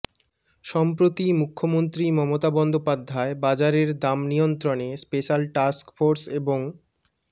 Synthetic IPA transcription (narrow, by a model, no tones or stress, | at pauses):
ʃɔmpɾot̪imukʰːomont̪ɾimɔmot̪abɔnd̪opad̪ʱːaebad͡ʑaɾeɾd̪amnijont̪ɾonespeʃalʈaɾskfoɾseboŋ